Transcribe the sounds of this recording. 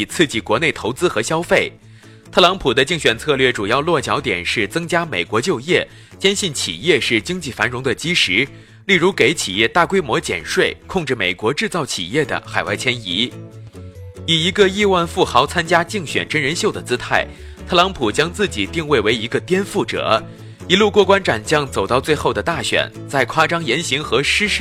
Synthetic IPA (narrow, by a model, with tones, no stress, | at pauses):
i˨˩t͡sʰɹ̩˥˧t͡ɕi˥˩kwɔ˧˥ne˥˩ɪt̪ʰo˧˥ʊt͡sɹ̩˥xɤ˧˥ɕjɑ˥ʊfe˥˩ɪ | t̪ʰɤ˥˩lɑ˧˥ŋpʰu˨˩d̪ə˦t͡ɕi˥˩ŋɕɥɛ˨˩nt͡sʰɤ˥˧lɥɛ˥˩ʈ͡ʂu˨˩jɑ˥˧ʊlwɔ˥˩t͡ɕjɑ˧˥ʊt̪jɛ̰˨˩nʂɻ̩˥˩t͡sɤ˥ŋt͡ɕja˥me˨˩ɪkwɔ˧˥t͡ɕjo˥˧ʊjɛ˥˩ | t͡ɕjɛ˥nɕi˥˩nt͡ɕʰḭ˨˩jɛ˥˧ʂɻ̩˥˩t͡ɕi˥ŋt͡ɕi˥˩fa˧˥nɻʊ˧˥ŋd̪ə˧t͡ɕi˥ʂɻ̩˧˥ | li˥˩ɻu˧˥ke˧˥ɪt͡ɕʰi˨˩jɛ˥˧t̪a˥˩kwe˥ɪmwɔ˧˥t͡ɕjɛ̰˨˩nʂwe˥˧ɪkʰʊ˥˧ŋʈ͡ʂɻ̩˥˩me˨˩ɪkwɔ˧˥ʈ͡ʂɻ̩˥˧t͡sɑ˥˩ʊt͡ɕʰḭ˨˩jɛ˥˩d̪ə̰˩xa˨˩ɪwa̰˥˩ɪt͡ɕʰjɛ˥ni˧˥ | i˨˩i˧˥ɡə˧i˥˧wa˥˧nfu˥˩xɑ˧˥ʊt͡sʰa˥nt͡ɕja˥t͡ɕi˥˩ŋɕɥɛ̰˨˩nʈ͡ʂə˥nɻə˧˥nɕjo˥˩ʊd̪ə˩t͡sɹ̩˥t̪ʰa˥˩ɪ | t̪ʰɤ˥˩lɑ˧˥ŋpʰu˨˩t͡ɕjɑ˥ŋt͡sɹ̩˥˩t͡ɕi˨˩t̪i˥˧ŋwe˥˩ɪwe˧˥ɪi˧˥ɡə˧t̪jɛ˥nfu˥˩ʈ͡ʂɤ̰˨˩˦ | i˧˥lu˥˧kwɔ˥˧˩kwa˥nʈ͡ʂa˨˩nt͡ɕjɑ˥ŋt͡so˨˩ʊt̪ɑ˥˧ʊt͡swe˥˧ɪxo˥˩ʊd̪ə˩t̪a˥˩ɕɥɛ̰˨˩˦nt͡sa˥˩ɪkʰwa˥ʈ͡ʂɑ˥ŋjɛ˧˥nɕi˧˥ŋxɤ˧˥ʂɻ̩˥ʂ